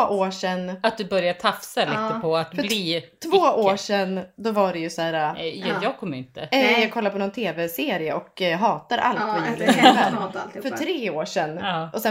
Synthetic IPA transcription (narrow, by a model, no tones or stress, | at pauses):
ʔoːʂɛnːat̪̚d̪ɵbœɾjat̪ʰafsalit̪əpʰɔat̪fœbliːt̪ʰvoːʔoːʂɛnːd̪ɔvaɖɛjɵsæːɾajɑːɡ̚kʰɔmːəɾɪnt̪əɛjɑːɡkʰɔlːaɾpʰɔnɔnt̪ʰeːvɛseːɾɪəɔkɦɑːt̪aɾʔa̰lt̪vajʉːɾɪ | fœʈʰɾeːoːʂɛnːʔɔsɛ